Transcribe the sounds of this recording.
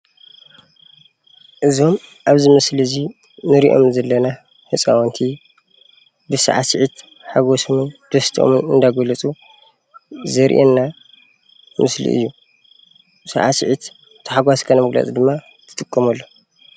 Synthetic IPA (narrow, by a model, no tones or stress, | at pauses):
ʔɨzo̞mʔaβzɨmɐslizi | nɨɾiʔo̞̰mzɐlːɐna | ħɨt͡sʼa̰wɐnt̪ʰi | bɨsa̰ʕa̰siʕit̪ | ħaɡosomɨnd̪̥ɐst̪ʰiʔo̰mɨnɨnd̪ajɡolɐt͡sʼu | zɐɾʔenːa | mɨslḭʔɨ̰jːu | sa̰ʕasiʕit̪ | t̪ʰɨħaɡwaskʰɐnɐmɨɡlɐ̰t͡sʼid̪ɨmːa | t̪ʰɨ̥t̪ʼɨkʼːɐmɐlːo̞